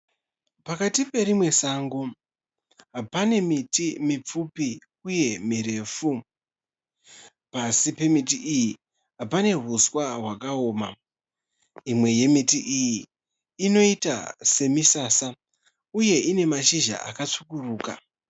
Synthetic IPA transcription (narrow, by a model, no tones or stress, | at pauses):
pakatipe̞ɾimwe̞saːŋɡo | ɦapane̞mitimip͡fupi | uje̞miɾe̞fu | pasipe̞mitiʔiji | ɦapane̞ɦuswaɦwakaoːma̰ | imwe̞je̞mitiʔijiː | no̞ita̰se̞misasa | uje̞ʔine̞maʃiʒa̰a̰kat͡sukuruːka̰